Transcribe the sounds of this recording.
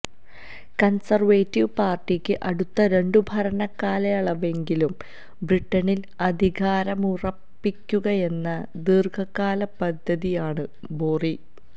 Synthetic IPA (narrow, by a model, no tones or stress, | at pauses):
kɐnsɐrʋeːtːiʋpaːrʈikʲːɨʔɐɽut̪ːɐɾe̞ɳɖubʱɐɾɐnɐkːaːleɐɭɐʋe̞ŋɡilum | briʈːɐnil | ɐd̪ʱiɣaːɾɐmurɐpːikʲːuɣɐje̞nːɐd̪irɡʰɐkːaːlɐpɐd̪ʱːɐðijaːɳɨ | boːri